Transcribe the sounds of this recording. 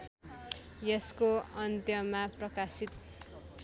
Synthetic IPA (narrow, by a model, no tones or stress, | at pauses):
jeskoʌnt̪jʌmaprʌkasit̪̚